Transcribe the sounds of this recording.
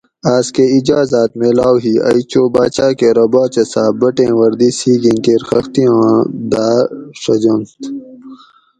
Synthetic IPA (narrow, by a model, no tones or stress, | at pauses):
aːskeid͡ʑaːzaːt̪melaːwɦiɐ̰jt͡ɕoːbaːt͡ɕaːkeɾɐbaːt͡ʃɐsaːbɐʈẽːwɐɾd̪isiːɡĩnkeɾxɐxt̪ijõːd̪aːʂɐd͡ʑont̪